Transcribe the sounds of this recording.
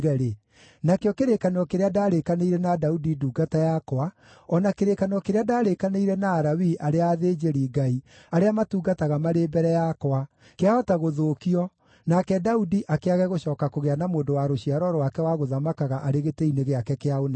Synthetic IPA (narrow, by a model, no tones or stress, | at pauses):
ɣɛɾe | nakeɔkeɾekaneɔkeɾeadaɾekaneiɾɛnadaudiduːɡatajakowa | ɔnakeɾekaneɔkeɾeadaːɾekaneiɾɛnaːɾawiʔaɾeaðed͡ʒeɾiːɡai | aɾeamatuːɡataɣamaɾeːbɛɾɛjakwa | keaɔtaɣoðoːkiɔ | nakɛdaudiʔakeaɣɛɣoɕɔːkakoɣeanamoːndowaɾoɕiaɾɔɾɔwakɛwaɣoðamakaɣaʔaɾeɣeteineɣeakɛkeaonɛ